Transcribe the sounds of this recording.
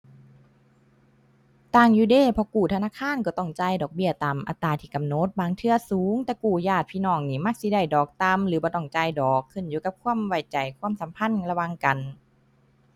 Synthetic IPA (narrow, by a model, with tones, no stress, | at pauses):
t̪aː˧˩ŋjuː˧˦deː˧˩˨pʰɔ˧kuː˨˩t̪ʰa˧naː˧˥˨kʰaː˧˥˨nkɔː˧˦t̪ɔ˧˥˩ŋt͡ɕa˧˨jdɔː˨˩k̚bi˧˩ɐt̪aː˨mʔa̰˧t̪ːaː˧˩t̪ʰiː˧˩ka˨mno˧˦t̪̚baː˨˧˦ŋt̪ʰɯ˧ɐsuː˨˦ŋt̪ɛː˧kuː˨˩jaː˧˩t̪̚pʰiː˧˨nɔː˧˩ŋniː˧˩ma˧˩k̚si˧˦da˧˩jdɔː˨˩k̚t̪a˧mlɯː˦bɔː˧˦t̪ɔ˧˩ŋt͡ɕa˧˩jdɔː˨˩kʰːɯ˧˩˨njuː˧˦ka˧p̚kʰuː˧˥˨ə˨mwa˧˩jt͡ɕa˨˩jkʰu˧˥ə˨msa˨˦mpʰa˧˥˨nla˧wa˧˨ŋka˨n